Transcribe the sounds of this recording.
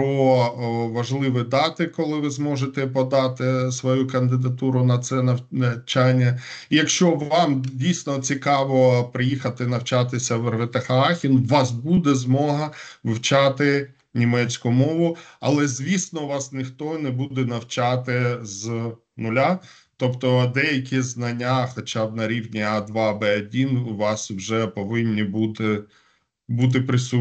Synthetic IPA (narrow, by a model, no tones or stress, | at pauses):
ɔ | ʋɐʒlˠɪʋɪd̪ɑt̪ɪkɔlˠɪʋɪzmɔʒet̪ɛpɔd̪ɑt̪ɪsʋɔjukɐnd̪ɪd̪ɐt̪uɾʊnɐt̪sɛnɐw̪ɐt͡ʃanʲːɐijɐkʃt͡ʃɔʋɑmdʲijsʲnɔt͡sʲikɑʋɔpɾɪjixɐt̪ɪnɐwt͡ʃɑt̪ɪsʲɐʋerʋet̪ɐxɐɑxʲinʋɑsbud̪ɛzmɔɦɐʋɪwt͡ʃɑt̪ɪ | nʲimɛt͡sʲkʊmɔʋʊɐlˠɛzʲʋʲisnɔʋɑsnɪxt̪ɔnɛbud̪ɛnɐwt͡ʃɑt̪ɪz | nʊlʲa | t̪ɔpt̪ɔd̪ɛjɐkʲiznɐnʲːaxɔt͡ʃabnɐɾʲiwnʲiɑd̪ʋɑbɛɐdʲinʋɑswʒɛpɔʋɪnʲːibut̪ɪ | but̪̬ɪpɾɪsu